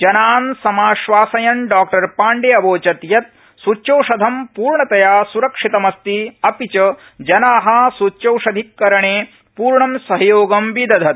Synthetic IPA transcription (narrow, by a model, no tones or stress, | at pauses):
d͡ʒɐnaːnsɐmaːʃʋaːsɐjɐnɖaːkʈɐɾpaːɳɖeːɐboːt͡ʃɐt̪jɐt̪̚ | sut͡ʃɐwʂɐd̪ʱɐmpuːɾɳɐt̪ɐjaːsuɾɐkʂit̪ɐmɐst̪iɐpit͡ʃɐ | d͡ʒɐnaːɦɐsut͡ʃɐwʂɐd̪ʱikːɐɾɐɳeː | puːɾɳɐmsɐɦɐjoːɡɐmʋid̪ɐd̪ʱɐt̪